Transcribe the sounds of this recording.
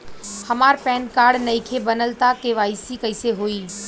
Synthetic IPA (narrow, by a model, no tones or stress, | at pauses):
hɐmaːɾpɛ̃ːnkaːɾɖnɐĩkʰebənəlt̪akeʋaːɪsikɐɪseɦoːiː